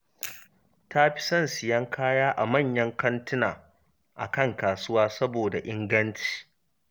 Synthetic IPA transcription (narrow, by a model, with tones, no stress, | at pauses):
tʰa˦ɸɪ̥˦sɐ˦nsɪ˨jɐ˦ŋkʰaː˦jaː˦ʔa˨mɐ˦˨ɲjɐ˦ŋkɐ˦ntɪ˦naː˨ | ʔa̰˨kɐ˦˨ŋkaː˨sʊ˦waː˦sɐ˦boː˨da˨ʔɪ˦ŋɡɐ˦nt͡ʃi̥ː˨